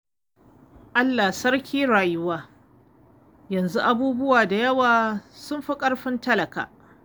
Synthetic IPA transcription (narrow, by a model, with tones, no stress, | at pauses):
ʔa˦lːaː˨sɐ˦ɽkʲʰiː˦ɽaː˨jʊ˦waː˦ | jɐ˨nzu˦ʔa˨buː˦bʊ˦waː˨da˨jɐ˦waː˨sʊ˦mɸi˦kʼɐ˦ɽɸɪ˦ntɐ˦lɐ˨ka̰ː˨